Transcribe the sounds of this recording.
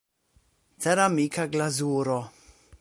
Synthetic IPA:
t͡sɛɾamikʰaɡlazuːɾɔ

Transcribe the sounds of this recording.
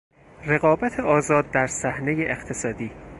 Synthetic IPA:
re̞ɣɒːbæt̪ʰeɒːzɒːd̪̚ːæɾsæhnejeʔext̪ʰe̞sɒːd̪iː

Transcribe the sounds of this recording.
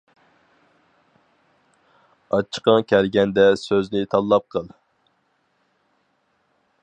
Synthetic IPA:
ɑt͡ʃʰːə̥qəŋkʲʰælɡʲɛnd̪ɛsøznɪt̪ʰɑlˠːɑp̚qʰəlˠ

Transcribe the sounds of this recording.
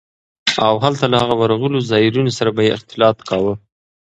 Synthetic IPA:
awɦalt̪alahaɣawaɾaɣəlozɑiɾunosaɾabajeɪ̰xt̪ɪlɑt̪kʰɑwə

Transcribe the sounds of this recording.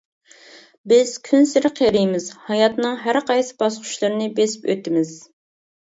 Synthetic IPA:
bɪz̥kʲʰynsɪɾɪqʰeɾɪjmɪzhɑjɑt̪nɨŋɦæɾqʰɑjsɨ̥bɑsqʊ̥ʃlˠɨɾɨnɨbesɪ̥pø̰t̪ɪmɪz

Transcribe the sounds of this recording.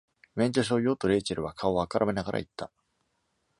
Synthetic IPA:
mẽ̞ɲt͡ɕoɕ̬oːjo̞ːt̪oɾe̞ːt͡ɕaɾɯ̟βakʰao̞akaɾʔame̞naɡaɾa̰it̪ʰːa

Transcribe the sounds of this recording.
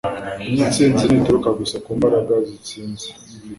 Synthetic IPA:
iɲit͡siːnzinituɾukaɡusakuːmbaɾaɡazit͡siːnzi̥

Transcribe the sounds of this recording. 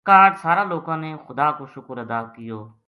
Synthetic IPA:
kaːʈsaːɾãːloːkãːneːxʊd̪aːkoːʃʊkɾəd̪aːkɪjoː

